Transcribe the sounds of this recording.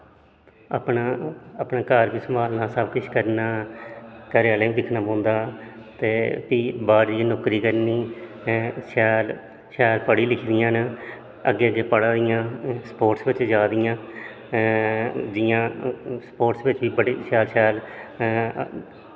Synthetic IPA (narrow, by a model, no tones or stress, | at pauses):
ə̰pnaːəpnaːkəɾʋiːsəmaːlnaːsəbkʊt͡ʃʰkəɾnaː | kəɾjaːlẽːʋĩːd̪ɪkʰnaːpõːnd̪aːt̪eːpiːbaːɾd͡ʒij̃ːnoːkɾiːkəɾniː | sɛːl | ʃɛːlpəɽiːlɪkʰd̪ɪjãːnə | əɡːeːəɡːeːpəɽaːd̪ɪjãːspoːʈsʋɪt͡ʃd͡ʒaːd̪ɪjãː | d͡ʒɪjãːspoːʈsʋɪt͡ʃʋiːbəɽeːʃaːlʃɛːl